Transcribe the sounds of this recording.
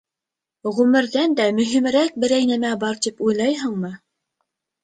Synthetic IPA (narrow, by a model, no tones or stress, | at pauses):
ʁʉmɘ̆ɾðænd̪æmɵ̆ɦimɘ̆ɾæk̚bɘ̆ɾæjnæmæbɑɾt̪ipujlˠɑjɦɤ̆ɴmɤ